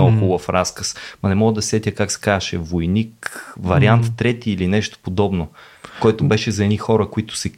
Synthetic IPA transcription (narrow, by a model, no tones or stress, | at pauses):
alˠkʊvɐfɾaskəsmɐnɛmɔɡəd̪ɐsɛt̪ʲjəkaksɛ̥kazɐʃɛvojnikvɐɾiant̪t̪ːɾɛt̪iːlinɛʃt̪o̥pod̪ɔbno | kɔjt̪ʊbɛʃɛzɐɛd̪ixɔɾəkoit̪ʊ̥sɛ